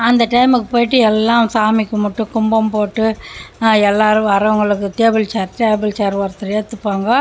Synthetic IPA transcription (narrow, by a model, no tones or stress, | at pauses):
ɐnd̪ɐʈɐɪmɯkːɯpoːjɪʈ̬ːɯɛlːãːsaːmɪkːɯmɐʈːɯ̃kʊmbɐmpoːʈːɯ | ɛlːaːɾɯ̃ɐɾɐʋɐŋɡɐɭɯkːɯʈeːbɯlt͡ʃaːɾʈeːbɯlt͡ʃaːɾʋɐɾt̪ːɯɾeːt̪ːɯpːaːŋɡɐ